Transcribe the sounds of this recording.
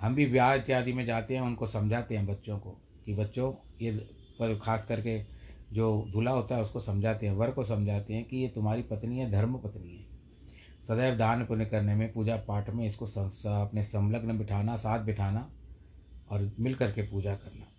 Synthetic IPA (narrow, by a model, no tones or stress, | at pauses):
ɦɐmbʱiʋjaːt̪jaːd̪imẽd͡ʒaːt̪eɦɛ̃ʊnkosɐ̃md͡ʒʱaːt̪eɦɛ̃bɐtːʃõko̰ | kibɐtːʃõje | kʰaːskɐɾked͡ʒoːd̪ʱuːlaɦoːt̪aɦɛʊskosɐ̃md͡ʒʱaːt̪eɦɛ̃ʋɐɾkosɐ̃md͡ʒʱaːt̪eɦɛ̃kijet̪ʊmɦaːɾipɐt̪niɦɛ̃d̪ʱɐɾməpɐt̪niɦɛː | sɐd̪əːʋd̪ʱaːnpʊnekɐɾnemẽpuːd͡ʒapaːʈʰmẽɪskosɐsɐpnesɐ̃mləɡnbɪʈʰaːnasaːt̪̚ʰbɪʈʰaːna | ɔːɾmɪlkɐɾkepuːd͡ʒakɐɾnaː